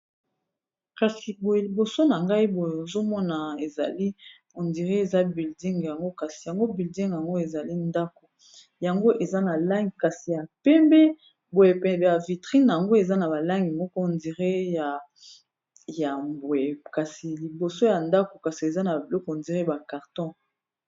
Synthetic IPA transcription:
ka˨si˨bo˨je˨li˨bo˨so˦na˨ŋɡa˦i˦bo˨je˨o˨zo˦mɔ˦na˨e˨za˨li˦ | o˨ndi˨ʁe˦e˨za˦bi˨ldi˦ŋ˨ja˨ŋɡo˦ka˨si˨ja˨ŋɡo˦bi˨ldi˦ŋja˨ŋɡo˦e˨za˨li˦nda˦ko˨ | ja˨ŋɡo˦ʔe˨za˦na˨la˦ŋɡi˨ka˨si˨ja˨pɛ˦mbɛ˦ | bo˨je˨pɛ˨ja˨vi˨tʁi˦na˨ja˨ŋɡo˦e˨za˦na˨ba˨la˦ŋɡi˨mɔ˦kɔ˦o˨ndi˨ʁe˦ja˨ | ja˨bo˨je˨ka˨si˨li˨bo˨so˦ja˨nda˦ko˨ka˨si˨e˨za˦na˨bi˨lɔ˦kndi˨ʁe˦ba˨ka˨ʁtɔ̃˦

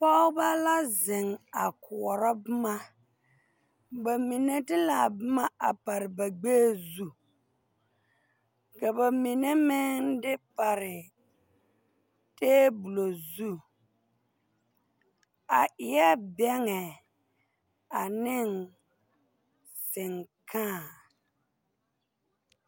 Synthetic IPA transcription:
pa˦ʊ˦ba˦la˦zɪ˨ŋa˨kʰʊ˨ɔ˨ɾɔ˦bɪ˦ma˦ | ba˨mi˨ne˦tɪ˦la˨bɪ˦ma˦a˨pa˨ɾɪ˨ba˨ɡ͡beː˦zu˦ | ka˨ba˨mi˨ne˦mɪ˦ndɪ˦pa˨ɾɪ˨ | teː˦bu˨lo˨zu˦˨ | a˨ʔɪ˨ja˦bɛ˦ŋɛ˨ | a˨nɪ˦n | sɪ˨ŋkʰãː˦˨

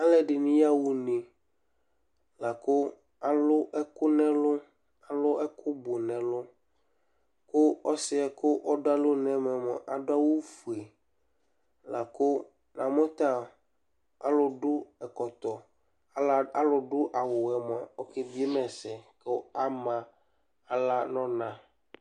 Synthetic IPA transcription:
a˦lɛ˦ɖɪ˨nĩ˦ja˦wu˦nẽ˨ | la˨kʊ˦ | a˨lʊ˦ʔɛ˦kʊ˦nɛ̃˦lʊ˦ | a˨lʊ˦ɛ˦kʰʊ˦bʊ˨nɛ̃˨lʊ˦ | kʊ˦ɔ˦sɪ˨ɛ˨kʊ˦ʔɔ˦da˦lʊ˦nɛ̃˦mɛ̃˨mɔ˨ʔa˨dʊ˦a˦wu˦fu˨e˨ | la˨kʊ˦ | nã˨mɔ̃˦t̪a˦ | a̰˦lʊ˦ɖʊ˦ɛ˨kɔ˨t̪ɔ˨˦˨ | a˦lʊ˨ɖʊ˦ʔa˨wʊ˨wɛ˨mɔ̃˨ɔ˦ke˦bi˦e˦mɛ̃˨sɛ˨kɛ˦a˦mã˨ | a˨la˦nɔ̃˦nã˦

